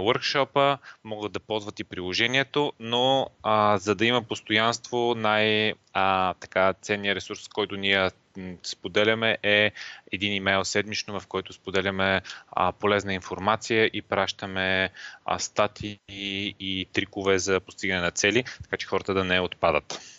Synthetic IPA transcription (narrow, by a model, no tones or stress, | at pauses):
wəɾkʃɔpəmɔɡəd̪̚d̪ɐpɔzvət̪ipɾilˠoʒɛniɛt̪ono | zɐd̪ɐimɐpost̪ojanst̪vonaj | t̪ɐ̥kat̪sɛnːijəɾɛsuɾskɔjt̪ʊniɛ | spod̪ɛlʲɐmɛʔɛɛd̪inimɛjlˠsɛd̪mit͡ʃnovɐfkɔjt̪ʊspod̪ɛlʲɐmɛ̰polɛznəinfoɾmat̪sijəʔipɾaʃt̪əmɛ̰ | st̪at̪ʰiː | t̪ɾikʊvɛzɐpost̪iɡənɛnɐt̪sɛlit̪ɐ̥kat͡ʃɛ̥xɔɾət̪əd̪ɐnɛot̪pad̪ə̰t̪